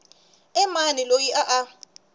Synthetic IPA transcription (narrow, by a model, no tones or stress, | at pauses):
ɛmanilojiʔaʔa